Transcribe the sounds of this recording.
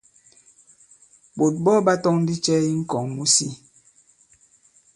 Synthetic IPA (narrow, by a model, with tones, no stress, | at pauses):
bo˨t̚bɔ˦ba˦tɔ˦ŋ̩˦di˦t͡ʃɛ˦i˦ŋ̩˦kɔ˨ŋmu˦si˦